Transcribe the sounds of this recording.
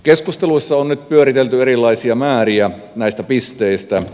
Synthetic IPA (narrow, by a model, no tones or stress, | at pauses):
keskust̪eluisːɑonnyt̪̚pyøɾit̪elt̪yeɾilːˑɑisiɑmæːriæ | næist̪æpist̪eist̪æ